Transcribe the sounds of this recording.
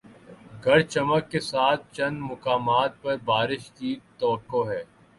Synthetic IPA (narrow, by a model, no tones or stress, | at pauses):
ɡʱɐɾt͡ʃɐməkːesaːt̪̚ʰt͡ʃɐ̃nmʊkaːmaːt̪̚pɐɾbaːɾɪʃkit̪ɐːəkːoɦɛː